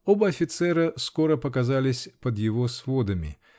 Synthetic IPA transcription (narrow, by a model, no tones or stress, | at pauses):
o̞bəɐfʲɪt̪sɛɾəsko̞ɾəpəkɐzalʲɪsʲpəd̪jɪvo̞svo̞d̪əmʲɪ̰